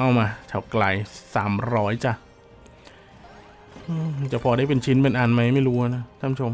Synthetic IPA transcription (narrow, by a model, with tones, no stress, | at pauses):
ʔa˧˩wmaː˧t͡ɕʰa˨˩wkla˧jsaː˩˦mɾɔː˦˥jt͡ɕa˧˩ | ʔɯː˧˩t͡ɕa˨˩pʰɔː˧da˥˩jpe˧nt͡ɕʰi˦˥npe˧nʔa˧nma˦˥jma˥˩jɾuː˦˥ha˧˩na˦˥t̪ʰaː˧˥˩mt͡ɕʰo˧m